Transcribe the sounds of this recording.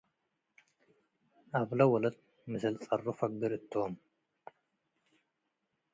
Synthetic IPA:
ʔaβlɐwɔlɐt̪̚ | mɨzɐlt͡sʼɐrːofɐɡɨɾɨt̪ʰːiom

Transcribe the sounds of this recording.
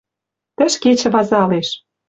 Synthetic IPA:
t̪ə̆ʃket͡ɕɘ̆βɑzɑleʃ

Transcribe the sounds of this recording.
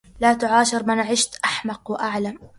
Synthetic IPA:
laːt̪ʊʕaːʃɪɾmɪnʕɪʃt̪ʔaħmɑqwɪʔaʕlam

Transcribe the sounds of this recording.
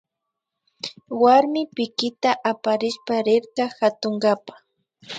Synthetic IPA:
waɾmɪpɪkɪt̪aʔapaɾɪʃpaɾɪɾkaxat̪ʊŋɡapḁ

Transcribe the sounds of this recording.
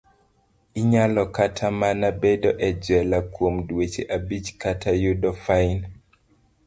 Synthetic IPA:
iɲalɔkatʰamanabedoʔɛd͡ʒɛlakwomdwet͡ʃeʔabid͡ʒkatʰajudɔfain

